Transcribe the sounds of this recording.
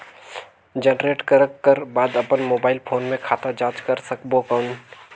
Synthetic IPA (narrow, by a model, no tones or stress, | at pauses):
d͡ʒənɾeːʈkəɾəkːəɾbaːd̪ɐpənmoːbaːɪlpʰoːnmẽkʰaːt̪ad͡ʒaːt͡ʃkəɾsɐkbokəʊn